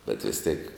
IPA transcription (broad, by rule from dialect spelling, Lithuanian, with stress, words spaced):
bʲɛt ˈʋʲɪs tʲeːk